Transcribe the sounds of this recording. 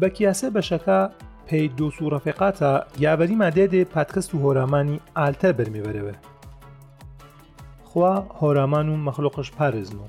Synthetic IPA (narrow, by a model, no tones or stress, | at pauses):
bɐkʰijaːsebɐʃɐkapʰejd̪oːsurˤɐfiqaːt̪ʰaːjaːvɐɾiːmaːd̪eːd̪epʰaːt̪kʰɐst̪uɦoɾaːmaːniaːlt̪ʰɐɾbɐɾmevɛɾɛwɛ | xwaːhoːɾaːmaːnuːmɐxloqɨʃpʰaːɾezmu